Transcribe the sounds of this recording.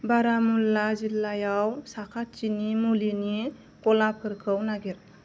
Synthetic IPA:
baɾamulːazilːajawsakʰat̚t͡ʃinimulini | kɔlap̚kʰɯɾkʰɯwnaɡeɾ

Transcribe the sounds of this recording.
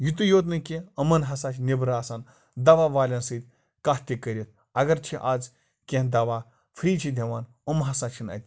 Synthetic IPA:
jut̪ɨjoːt̪nɨkʲeɐmɐnɦɐsaːt͡ʃʰnʲebɾaːsaːn | d̪ɐʋaʋaːlʲansɨt̪ʲ | kaht̪ʲikəɾʲit̪̚ʰ | ɐɡɐɾt͡ʃʰiʔaːd͡z | kʲẽɦd̪ɐʋaː | fʰɾiːt͡ʃʰid̪ʱʲeʋaːn | əmɦɐsaːt͡ʃʰinɐ̰t̪ʲ

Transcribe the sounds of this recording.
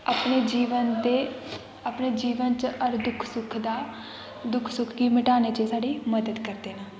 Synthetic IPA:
əpneːd͡ʒiːʋənd̪eː | apneːd͡ʒiːʋənt͡ʃʔəɾd̪ʊkʰsʊkʰd̪aː | d̪ʊkʰsʊkʰɡiːmɪʈaːneːt͡ʃeːsaːɖiːməd̪əd̪kəɾd̪eːnaː

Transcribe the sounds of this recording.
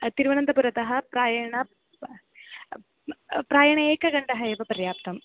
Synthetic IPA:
t̪iɾuʋɐɳɐnd̪ɐpuɾɐt̪ɐɦɐpraːjɐɳɐ | praːjɐɳɐeːkːɐɣɐɳɖɐɦɐeːʋɐpɐrjaːpt̪ɐm

